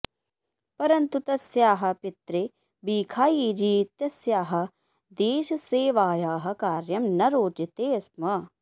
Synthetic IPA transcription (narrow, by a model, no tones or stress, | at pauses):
pɐɾɐnt̪ut̪ɐsjaːɦɐ̆pit̪ɾeː | biːkʰaːjiːd͡ʒiːt̪jɐsjaːɦɐ̆ | d̪eːʃɐseːʋaːjaːɦɐ̆kaːɾjɐmnɐɾoːd͡ʒɐt̪eːɐsmɐ